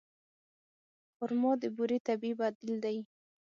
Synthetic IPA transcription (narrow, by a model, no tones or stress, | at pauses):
hʊɾmɑd̪əbuɾet̪abiibad̪ɪld̪aj